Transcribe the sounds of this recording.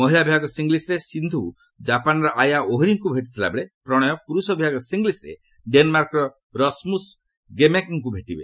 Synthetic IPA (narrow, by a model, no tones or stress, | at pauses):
mɔɦilabʱiaɡɔsiŋɡlisɾesind̪ʱu | d͡ʒapanɾɔʔajaʔoɦiɾiŋkubʱeʈit̪ʰila̰beɭepɾɔɽ̃ɔjɔpuɾusɔbʱiaɡɔsiŋɡlisɾḛ | ɖenɔmaɾkɔɾɔ | ɾɔsmus | ɡemekŋk̬ubʱeʈibḛ